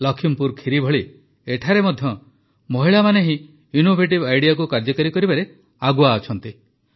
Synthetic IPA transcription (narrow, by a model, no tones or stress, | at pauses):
lɔkʰimpuɾkʰiɾibʱɔɭi | eʈʰaɾemɔd̪ʱjɔ | moɦiɭamaneɦĩ | inobʱeʈ̬ibajɽijakukaɾd͡ʒɔkɔɾikɔɾibaɾe | aɡuaːt͡ʃʰɔnt̪i